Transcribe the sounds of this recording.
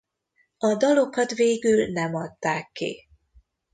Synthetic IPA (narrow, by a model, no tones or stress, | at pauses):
ɒd̪ɒlo̞kɒt̪veːɡylnɛmɒt̪ːaːkːḭ